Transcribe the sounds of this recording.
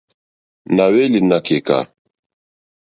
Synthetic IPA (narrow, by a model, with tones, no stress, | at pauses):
na˨we˦li˨na˨ke˨ka̰˨